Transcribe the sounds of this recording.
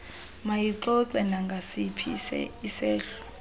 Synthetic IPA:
majiǃɔǀɛnaŋɡʱasipʰisɛ̰isɛːɬɔ̥

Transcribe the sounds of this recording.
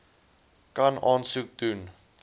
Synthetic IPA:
kɐnɑːnsuk̚dun

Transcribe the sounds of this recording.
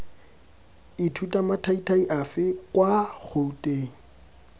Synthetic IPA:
ɪtʰutʼamatʰaitʰaiʔafɪkʼwak͡xʰoutʼeːŋ̩

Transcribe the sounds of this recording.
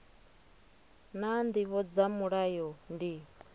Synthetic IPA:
nand̪iβɔd͡zamuɺajɔndi

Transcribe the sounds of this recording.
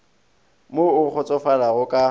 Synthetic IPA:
moʊk͡xʊt͡sʼɔfalaɣʊkʼa

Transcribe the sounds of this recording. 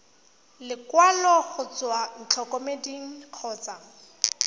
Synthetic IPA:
lɪkwalɔɣʊt͡swaŋ̩t͡ɬʰɔkɔmediŋ̩q͡χʰɔːt͡sa

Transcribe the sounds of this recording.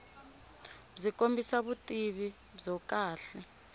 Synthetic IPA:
zikʼombʱisaβutʼiβi | zɔkʼaːɬɛ

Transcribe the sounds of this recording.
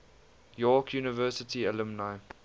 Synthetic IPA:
jɔːkʰjuːnəvɜːsətʰiəlʊmnaɪ

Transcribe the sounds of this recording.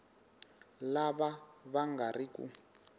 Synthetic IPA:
laβaβaŋɡarikṵ

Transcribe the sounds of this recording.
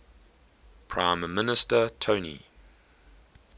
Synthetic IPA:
pʰɹãɪ̃mːɪnɪstətʰoʊnḭ

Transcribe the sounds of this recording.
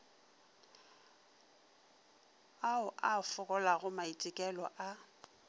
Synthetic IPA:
aʊʔafʊkʼɔlaɣʊmaitʼɪkʼɛlɔʔa

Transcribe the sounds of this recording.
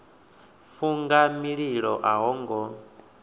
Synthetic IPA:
fuŋɡamiɺiɺɔʔaɦɔŋɡɔ

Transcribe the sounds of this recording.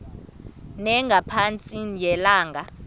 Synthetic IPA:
nɛŋɡʱapʰant͡sʼinjɛlaːŋɡʱa

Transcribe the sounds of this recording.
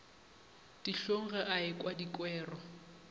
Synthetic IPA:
d̥iɬoŋ̩ɣɛʔaɪkʼwadikʼwɛːrɔ

